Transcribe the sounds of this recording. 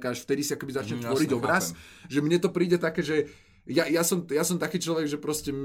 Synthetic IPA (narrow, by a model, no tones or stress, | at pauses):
kaːʃft̪ɛd̪isiakɛbizat͡ʃɲɛt̪ʋɔɾiɟɔbɾas | ʒɛmɲɛt̪ɔpɾiːɟɛt̪akɛːʒɛ | jajasɔmjasɔmt̪akiːt͡ʃlɔʋɛɡʒɛpɾɔscɛm